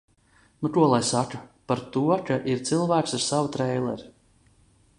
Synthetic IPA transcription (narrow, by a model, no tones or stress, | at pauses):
nut̪uɔlˠajsakapaɾt̪uɔkaʔiɾt̪silˠvæːksiɾsavut̪ɾɛjlˠɛ̰ɾ